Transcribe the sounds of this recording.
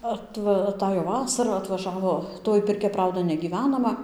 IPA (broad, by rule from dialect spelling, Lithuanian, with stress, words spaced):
ɐtˈʋɐ ɐˈtɑːjoː ˈʋɑːsɐrɐ ɐtʋɐˈʒɑːʋoː ˈtoːj pʲɪrʲˈkʲɛ ˈprɐʊdɐ nʲɛɡʲiːˈʋʲæːnɐmɐ